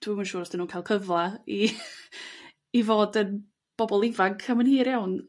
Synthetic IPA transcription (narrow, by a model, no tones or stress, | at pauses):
d̥wimənʃuːɾɔsd̥ɪnuːnkʰaɪlˠkʰəvlˠai | voːdən | b̥ɔbɔlˠɪvaŋkʰamənhiːɾjawn